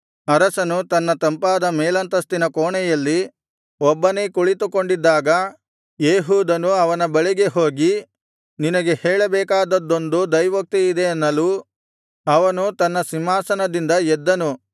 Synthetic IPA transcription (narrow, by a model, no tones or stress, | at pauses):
ɐɾɐsɐnut̪ɐnːɐt̪ɐmpaːd̪ɐmɛːlɐnt̪ɐst̪inɐkoːɳɛjɐlːi | ɔbːɐne̞ːkuɭit̪uko̞ɳɖid̪ːaːɡɐ | jeːɦuːd̪ɐnuɐʋɐnɐbɐɭiɡe̞ɦo̞ːɡi | ninɐɡe̞hɛːɭɐbɛːkaːd̪ɐd̪ːo̞nd̪ud̪ɐjʋɐk̚t̪iːd̪eːnːɐlu | ɐʋɐnut̪ɐnːɐsimaːsɐnɐd̪ind̪ɐɛd̪ːɐnu